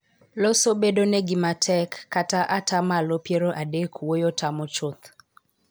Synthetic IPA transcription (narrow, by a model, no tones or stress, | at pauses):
losobedonɛɡɪmatʰɛkːataʔatamalopjeɾoʔadekwojotamɔt͡ʃʊt̪